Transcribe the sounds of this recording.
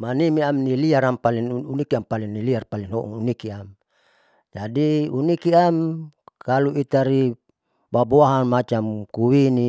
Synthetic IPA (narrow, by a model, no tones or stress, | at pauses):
manimiamniliaɾampaliŋunikiampaliŋniliarpalinɦɔʔṵŋunikiam | d͡ʒadiunikiamkaluit̪aɾi | baboaɦanmat͡ʃamkuwini